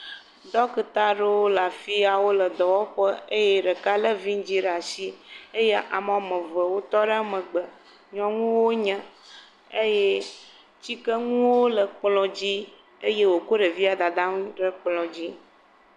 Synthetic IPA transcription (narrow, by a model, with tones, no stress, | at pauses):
d̪ɔ˦kə˨t̪a˦ɖe˦wo˦la˨fi˦a˨wo˦lə˨d̪ɔ˨wɔ˦ɸə˦e˦je˦ɖə˨ka˦lə˦vi˦ŋ˦d͡ʑi˦ɖa˨si˦e˦je˦ʔa˨m˨a˨mə̃˨və˨wo˦t̪ɔ˦ɖe˦a˨mə̃˨ɡ͡bə˨ | ɲɔ̃˦ŋũ˦wo˦ɲɛ̃˦ | e˦je˦ | t͡ɕi˦kə˦ŋũ˦wo˦lə˨k͡plɔ̃˨d͡ʑi˦ | e˦je˦wo˨ko˦ɖə˨vi˦a˨d̪a˨d̪a˦ŋ˦ɖə˦k͡plɔ̃˨d͡ʑi˦